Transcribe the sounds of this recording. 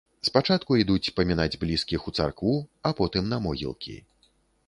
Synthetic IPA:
spat͡ʂat̪kuid̪ut͡sʲpɐmʲinad͡zʲblʲiskʲixut̪sa̰rkvuapɔt̪ɨmnɐmɔɣʲḭlˠkʲḭ

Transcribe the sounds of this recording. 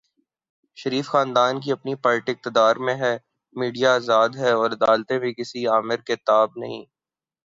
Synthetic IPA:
ʃɐɾiːfxaːnd̪aːnk̬iɐpnipɐɾʈɪq̚t̪ɪd̪aːɾmẽɦɛː | miːɖijaːzaːd̪ɦɛɔːɾɐd̪aːlt̪ẽbʱikɪsiaːmɪɾket̪aːb̚nɐɦĩː

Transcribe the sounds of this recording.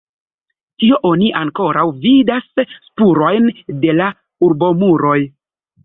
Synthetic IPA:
tio̞ʔo̞niʔaŋko̞ɾawvidasːpuɾo̞jnde̞la | uɾbo̞muɾo̞j

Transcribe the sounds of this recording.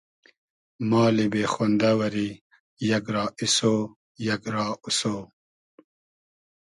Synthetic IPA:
mɑːlibeːxond̪awɐɾi | jɐɡɾɑːʔisoː | jɐɡɾɑːusoː

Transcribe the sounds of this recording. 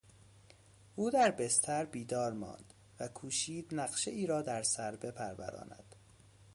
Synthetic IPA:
ʔuːd̪æɾbest̪ʰæɾbiːd̪ɒːɾmɒ̰ːnd̪̥ | vækʰuːʃiːd̪̥næɢʃeiːɾɒːd̪æɾsæɾbe̞pʰæɾvæ̰ɾɒ̰ːnæ̰d̪̥

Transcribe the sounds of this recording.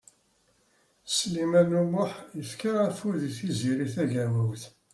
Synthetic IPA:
slimænumʊħjəfkaʁæfʊɾðiθiziɾiθæʝæwæwθ

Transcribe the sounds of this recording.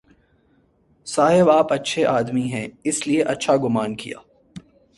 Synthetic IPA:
saːɦɪbaːpɐtːʃʰeʔaːd̪miɦɛ̃ɪslieʔɐtːʃʰaɡʊmaːnkḭja̰ː

